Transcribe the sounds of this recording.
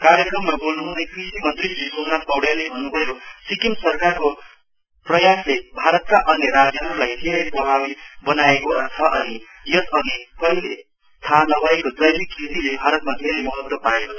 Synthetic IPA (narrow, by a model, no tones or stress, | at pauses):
kaɾjʌkrʌmːabolnuɦũnekʰrisimʌnt̪rid͡zisonat̪ʌwɽelebʱʌnːubʱʌjosikimsʌrkarko | prʌjaslebʱaɾʌt̪̚kaʔʌnjʌɾad͡zjʌɦʌɾulajd̪ʱeɾʌjprʌbʱabibʌnaekoʌnt͡sʰʌʔʌni | jʌsʌnikʌɦile | t̪ʰanʌbʱʌekod͡zʌjlikʰrit̪ilebʱaɾʌt̪mad̪ʱeɾejmʌɦʌd̪wʌpaekot͡sʰ